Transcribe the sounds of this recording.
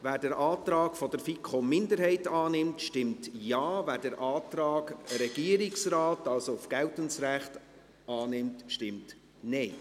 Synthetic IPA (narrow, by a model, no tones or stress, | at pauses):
væːɾdɛɾʔaːt̪ɾɑːɡfɔdəɾfikʰomːɪndəɾhɛɪtɑːnɪmtʃtɪmtjɑːvæːɾdəɾʔɑːtɾɑːɡəɾɛɡ̥iəɾɪksraːtɑlsoʊfɡ̥ɛʊtənsɾæχt | ʔɑːnɪmtʃtɪmt | nɛɪ